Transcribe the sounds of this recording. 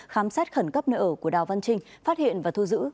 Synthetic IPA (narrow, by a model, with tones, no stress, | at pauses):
xaː˨˦msaː˦˥t̚xə˧˩nkə˦˥p̚nə̰˧˨ʔəː˧˩ku˧˩əɗaː˨˩wva˧nt͡ɕï˧ŋ̟faː˦˥t̚hḭ˧˨ənvaː˨˩t̪ʰu˧zɨ̰˧˥